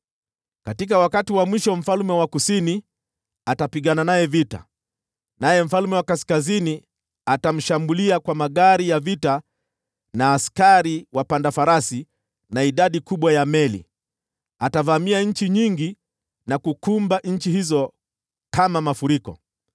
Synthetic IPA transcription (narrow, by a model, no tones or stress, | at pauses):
katikawakatiwamwiʃɔm̩falmɛwakusini | atapiɠananajɛvita̰ | najɛm̩falmɛwakaskazini | atam̩ʃambuliakwamaɠaɾijavita | naːskaɾiwapandafaɾasi | naiɗaɗikuɓwajamɛlḭ | atavamiaɲ̩t͡ʃiɲiŋɡi | nakukumbaʔɲ̩t͡ʃihizɔ | kamamafuɾikɔ̰